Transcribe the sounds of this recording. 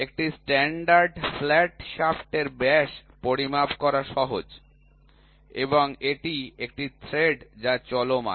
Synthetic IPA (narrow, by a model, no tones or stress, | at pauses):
ek̚ʈisʈɛɳɖaɾɖflɛʈʃafʈeɾbɛʃpoɾimapkɔɾaʃɔɦod͡ʑ | eboŋeʈiekʈit̪ʰɾeɖd͡ʑat͡ɕɔloma̰